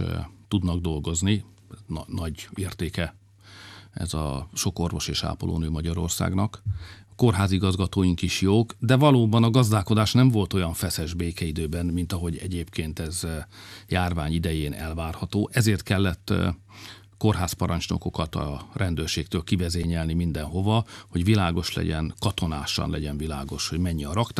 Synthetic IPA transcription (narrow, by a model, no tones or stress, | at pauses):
t̪ud̪nɒɡ̚d̪o̞lɡo̞zni | nnɒɟeːrt̪eːkɛ | ɛ̰zɒ̰ʃo̞ko̞rvo̞ʃeːʃa̰ːpolo̰ːnøːmɒɟɒɾo̞̰rsa̰ːɡnɒkko̞rɦaːziɡɒzɡɒt̪oːjiŋkiʃjoːɡd̪ɛvɒloːbɒnɒɡɒzd̪aːko̞d̪aːʃnɛɱvo̞lt̪o̞jɒɱfɛsɛʒbeːkɛid̪øːbɛnmint̪ɒɦo̞ɟɛ̰ɟeːpkeːnt̪ɛzjaːrvaːɲid̪ɛjeːnɛ̰lvaːrhɒt̪oːʔɛzeːrt̪kɛlːɛt̪ː | ko̞rɦaːspɒɾʔɒɲt͡ʃno̞̰ko̞kɒt̪ɒ̰rʔɛnd̪øːrʃeːk̚t̪øːlkivɛzeːɲɛlnimind̪ɛnɦo̞vɒho̞ɟvilaːɡo̞ʃlɛ̰ɟɛ̰nkɒt̪o̞naːʃɒ̰nlɛɟɛnvilaːɡo̞ʃho̞ɟmɛɲːiɒɾɒkt̪